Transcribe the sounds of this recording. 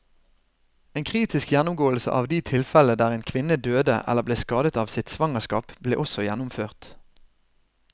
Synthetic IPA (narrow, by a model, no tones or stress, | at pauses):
eːnkʰʁiːt̪ɪskjænʊmɡoːl̩sə̰ʔɑ̰ːʋd̪iːt̪ʰɪlfɛləd̪æːʁeːnkʰʋɪnəd̪øːd̪ə̰ʔɛ̰ləʁbleːskɑːd̪ət̪ɑːʋsɪt̪sʋɑŋəskɑ̰ːpblḛːʔɔsɔjænʊmføːʁt̪